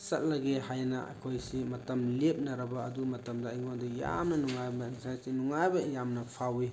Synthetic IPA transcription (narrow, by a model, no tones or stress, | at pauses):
sɐt̚lɐɡeɦajnɐ̰ɐ̰kʰojsimɐtɐmlep̚nɐɾɐbɐːdumɐtɐmdajŋondija̰mnɐnuŋajbainsajsinuŋajbɐjamnɐpʰawe